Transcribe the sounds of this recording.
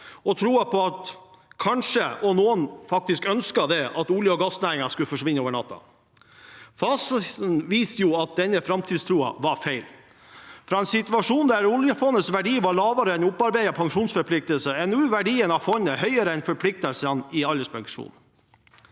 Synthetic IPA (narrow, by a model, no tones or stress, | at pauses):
ɔt̪ʰɾuːɑpʰɔɑt̪ | kʰɑnʂəɔnuːənfɑk̚t̪ɪskœnskɑd̪ɛɑt̪ʊljəɔɡɑsnæːɾɪŋɑskʉləfɔʂʋɪnːəoːʋəɳɑt̪ːɑ̰ | fɑːssn̩ʋiːst̪əjʊɑt̪̚d̪ɛnːəfɾɑmt̪ʰiːd̪st̪ʰɾuːɑ̰ʋɑɾfeɪl | fɾɑːɛnsɪt̪ʉɑʂuːnd̪æɾʊljəfɔnːəsʋæɖiːʋɑɭɑːʋɑɾəɛnʊpːɑɾbæɪɑpʰɑŋʂuːnsfɔɾpʰlɪk̚t̪əlsəɛnʉːʋæɖiːənɑfɔnːəhœʏəɾəɛnfɔɾpʰlɪk̚t̪əlsənɪɑləspʰɑŋʂṵːn